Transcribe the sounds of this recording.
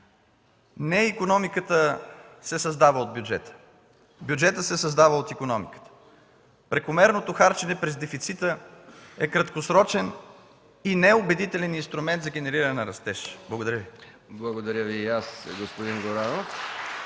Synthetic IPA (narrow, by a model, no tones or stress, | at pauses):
nɛikonɔmikət̪əsɛsɐzd̪avəod̪̚bʲjud͡ʒɛt̪ə̥ | bjud͡ʒɛt̪əsɛsɐzd̪avəot̪ikonɔmikə̥t̪ə̥ | pɾɛkomɛɾnot̪oxaɾt͡ʃɛnɛpɾɛzd̪ɛfit̪sit̪əɛkɾɐt̪kosɾɔt͡ʃɛn | inɛobɛd̪it̪ɛlɛninst̪ɾumɛnt̪zɐɡ̟ʲɛnɛɾiɾənɛnɐɾɐst̪ɛʃblˠɐɡod̪ɐɾʲjəvi | blˠɐɡod̪ɐɾʲjəviasɡospod̪inɡoɾanof